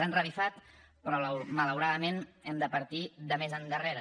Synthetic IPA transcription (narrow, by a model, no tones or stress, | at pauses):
anrəβifat̪ | pɾɔmələwɾaðəmenɛmd̪əpəɾt̪iðəmezənd̪əreɾə